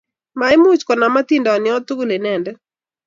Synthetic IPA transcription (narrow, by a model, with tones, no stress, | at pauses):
ma˨ɪ˦mu˦t͡ʃkɔ˨na˨ma˦t̪i˦ndɔ˨nɪ˨ɔ˦t̪ʊ˦ɡo˦le˨nɛ˨ndɛ˦